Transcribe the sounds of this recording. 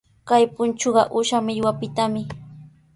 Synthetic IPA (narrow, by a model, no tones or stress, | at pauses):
kajpʊnt͡ʃoɢɑ̰ʔʊʃamɪʎwapɪt̪amɪ